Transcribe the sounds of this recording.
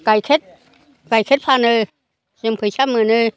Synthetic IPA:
kajkʰet̚ | kajkʰet̚fʰaːnə | smpʰəjt͡ɕʰamɨnə

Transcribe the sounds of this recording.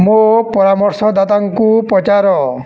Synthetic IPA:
mopɔɾamɔɾsɔd̪at̪aŋkupɾɔt͡ʃaɾɔ

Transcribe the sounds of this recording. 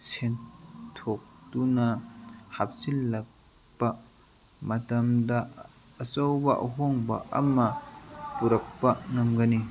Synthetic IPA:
sʰentʰok̚tunɐhap̚silːɐk̚ | pːɐ | mɐtɐmdɐ | ɐsɐwbɐʔɐ̰ɦɔŋbɐ̰ʔɐ̰mɐpuɾɐk̚pɐŋɐmɡɐni

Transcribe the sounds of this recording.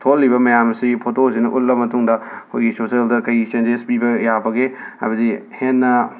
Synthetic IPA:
tʰolːibɐmɐjamɐsipʰotoz̬inɐʔullɐmɐtuŋdɐkʰojɡisoseldɐkɐjt͡ʃend͡ʒespibɐjabɐɡea̰bɐzihenːɐ

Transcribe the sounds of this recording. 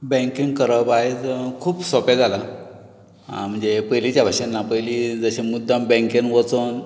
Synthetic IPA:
bɛ̃ŋkiŋɡkəɾəpaɦet͡skʰuːpsɔpad͡zala | m̤əɳd͡zepəjlit͡ɕjabʱaɕenːapəjlid͡zəɕẽmud̪ʱːãmbɛ̃ŋkẽnʋət͡son

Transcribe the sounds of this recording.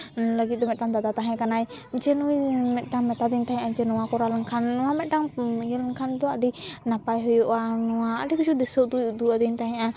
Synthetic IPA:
ləɡit̪̚d̪ɔmɛt̪̚damd̪ad̪at̪aɦɛ̃kanajd͡ʒɛnuimɛt̪̚ˀɖaŋmɛt̪ad̪ɛnt̪aɦɛ̃ʔad͡ʒɛnɔwakɔɾaləŋkʰanːɔwamɛt̪̚ɖaŋɡɛləŋkʰand̪ɔaɖinapajɦɔjɔʔanɔwaa̰ɖɛkud͡ʒud̪ɛsɔd̪ujud̪uad̪ɛnt̪aɦɛ̃ʔa

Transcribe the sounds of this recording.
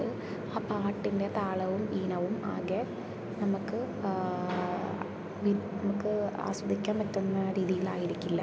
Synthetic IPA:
ɨ | aːpaːʈːinde̞t̪aːɭɐʋumiːnɐʋuma̰ːɡe | nɐmukːɨ | ʋinɐmukːɨa̰ːswɐd̪ʱikʲːaːmpɐtːunːɐɾiːðijiɭaːjiɾikʲːulːɐ̰

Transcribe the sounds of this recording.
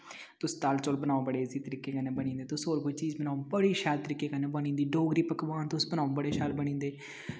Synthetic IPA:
t̪ʊst̪alt͡ʃoːlbənaːõbəɽeːziːt̪əɾiːkːeːkəneːbəɽ̃ĩːnd̪eːt̪ʊsoːɾkʊt͡ʃiːzbənaːõbəɽiːʃɛːlt̪əɾiːkːeːkəneːbəɽ̃ĩːnd̪iːɖoːɡɾiːpəkʋaːnt̪ʊsbənaːõːbəɽeːʃɛːlbəñĩːnd̪eː

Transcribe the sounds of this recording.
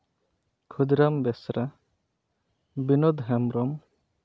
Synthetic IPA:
kʰud̪ɾambɛsɾa | binɔd̪ɦɛmɾɔm

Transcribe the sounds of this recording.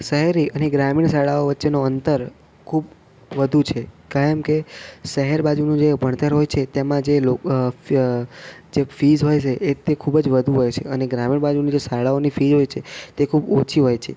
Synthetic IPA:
səɦɛɾiəneɡɾamiɳsaɭaoʋətːʃenoənt̪əɾ | kʰub | ʋəd̪ʱut͡ʃʰekajəmkesəɦɛɾbad͡ʒunũd͡ʒebʱəɳ̃t̪əɾɦojt͡ʃʰet̪emãd͡ʒelo | d͡ʒefizɦojt͡ʃʰeʔet̪ekʰubəd͡ʒʋəd̪ʱũɦojt͡ʃʰeəneɡɾamiɳbad͡ʒunid͡ʒesaɭaonifid͡ʒɦojt͡ʃʰet̪ekʰubot͡ʃʰiɦojt͡ʃʰe

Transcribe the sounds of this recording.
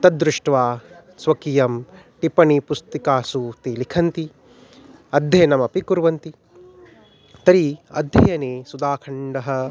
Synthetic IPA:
t̪ɐd̪ɾuʂʈʋaː | sʋɐkijɐm | ʈipɐɳipust̪ikaːsuːt̪ilikʰɐnt̪i | ɐd̪ʱjɐjɐnɐmɐpikuɾʋɐnt̪i | t̪ɐɾiɐ̰d̪ʱjɐjɐneːsud̪aːkʰɐɳɖɐɦɐ

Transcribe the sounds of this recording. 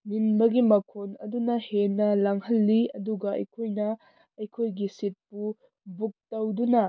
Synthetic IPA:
ninbɐɡimɐkʰonɐdunɐhenːɐlaŋhɐlːiɐ̰duɡɐɐ̰jkʰojnɐ | ɐjkʰojɡisit̚pu | buk̚tɐwdunɐ

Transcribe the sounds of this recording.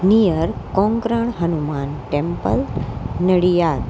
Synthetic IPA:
nijəɾkõŋkɾəɳ̃ɦənumanʈẽmpəlnəɽijaːd̪

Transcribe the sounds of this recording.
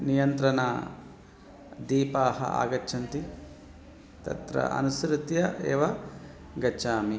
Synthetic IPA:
nijɐnt̪ɾɐnɐ̰ | d̪iːpaːɦɐ̰ʔa̰ːɡɐʃʰɐnt̪i | t̪ɐ̰t̪ɾɐ̰ʔɐ̰nusɾut̪jɐʔeːʋɐ | ɡɐt͡ʃaːmi

